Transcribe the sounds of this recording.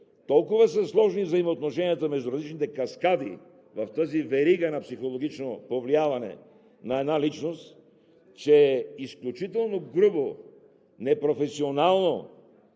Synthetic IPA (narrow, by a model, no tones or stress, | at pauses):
t̪ɔlˠkʊvəsəslˠɔʒnivzɐimoːt̪noʃɛnijət̪əmɛʒd̪ʊɾɐzlit͡ʃnit̪ɛkɐskad̪ḭ | vɐft̪əzivɛɾiɡənɐpsixolˠoɡʲit͡ʃnopovliavɐnɛ̰ | nɐɛd̪nalit͡ʃnost̪ | t͡ʃɛisklʲut͡ʃit̪ɛlˠnoɡɾubo | nɛpɾofɛsionalˠno